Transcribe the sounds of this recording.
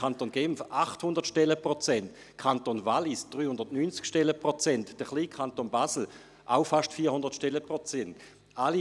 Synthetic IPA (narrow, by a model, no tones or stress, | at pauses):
antonɡ̥ɛmfʔaχthʊndəʁtʃtɛləpʁot͡sɛnt | kʰantonvalisd̥ʁyːhʊndɐtnynt͡skʃtɛləpʁot͡sɛntd̥əχliːkʰantonbasl̩ | ʔa̰ʊfaʃtfiːɐhʊndəɐtʃtɛləpʁot͡sɛnt | ali